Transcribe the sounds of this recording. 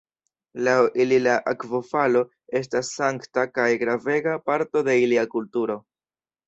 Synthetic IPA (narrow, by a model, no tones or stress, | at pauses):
lawililaʔakvo̞falo̞ | e̞s̬tasːaŋktakajɡɾave̞ɡapaɾto̞de̞iliakultuɾo̞